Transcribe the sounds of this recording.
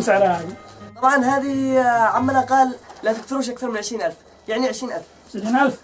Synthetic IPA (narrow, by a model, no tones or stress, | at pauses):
sʕlahæd̪it̪ˤɑbʕɑnɦæd̪iʕamːænæqɑllæt̪ək̚t̪ʊɾuːʃ̬ʔak̚t̪ɑɾˤmənʕəʃɾiːnʔælf | jaʕniʕəʃɾiːnʔælf | ʃiːnʔælf